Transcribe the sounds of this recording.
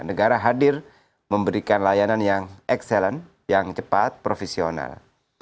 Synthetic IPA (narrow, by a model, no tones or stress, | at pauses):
nəɡaɾaɦadɪr | məmbəɾikanlajananjaŋʔɛksɛlɛn | jaŋt͡ʃəpat̪̚pɾofɛsiona̰l